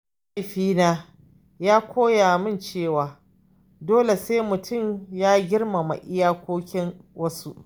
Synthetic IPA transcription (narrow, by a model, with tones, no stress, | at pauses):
ka˦jɸiː˦naː˦ | jaː˦kʷʰoː˦ja˨mɪ˦˨nt͡ʃeː˦˨waː˨ | doː˦le˨seː˦mʊ˨tʰʊ˦˨mjaː˦ɡʲɪ˦rma˨ma̰˨ʔɪ˦jaː˦kʷoː˦kʲɪ˦ŋwɐ˦sṵ˦ʔ